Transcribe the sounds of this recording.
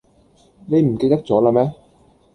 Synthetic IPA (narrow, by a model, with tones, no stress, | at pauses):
ne˨˧jm̩˨˩ke˧jt̪ɐ˥k̚t͡sɔː˨˥laː˧mɛː˥